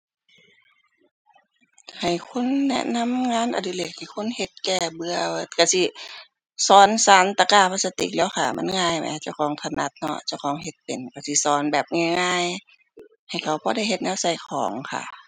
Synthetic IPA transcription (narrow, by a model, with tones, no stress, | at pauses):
ha˨˩jkʰo˧˥˨nːɛ̰˧ʔna˧˥˨mŋaː˧˥˨nʔa̰˨˩di˧˨leː˧˩k̚ha˨˧˩kʰo˧˥˨nhe˧˦t̪̚kɛː˧˩bɯ˧ə˧ka˧˩si˧˦ | sɔː˨˦nsaː˨˦nt̪a˧˩kaː˧˩˨pʰaː˧˥sa˧t̪ḭ˧˩k̚lɛː˧˨wxʰa˧˩ma̰˧˥˨nŋaː˧˩˨jma̰˧˨˧t͡ɕa˧˨wkʰɔː˨˦ŋt̪ʰa˧na˧˦t̪̚nɔ̰˧˥t͡ɕa˧˩˨wkʰɔː˨˦ŋɦe˧˦t̪̚pe˨˩nka˧˩si˧˦sɔː˨˦nbɛː˨˩p̚ŋa˧˨jŋaː˧˥˨j | ha˨˩jkʰa˧˨˩wbɔː˧˦da˧˩˨jɦe˧t̪̚nɛː˧wsa˧˩jkʰɔː˨˦ŋkʰa̰˧˩